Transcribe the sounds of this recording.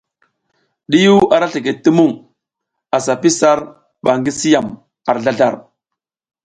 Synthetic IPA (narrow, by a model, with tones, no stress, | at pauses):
ɗi˦ju˦a˨ɾa˦ɬi˨ke˨ti˦mu˦˨ŋ | a˨sa˨pi˦sa˦ɾ | ɓa˨ŋɡi˦si˦ja˨m | a˨ɾɮa˦ɮa˦˨ɾ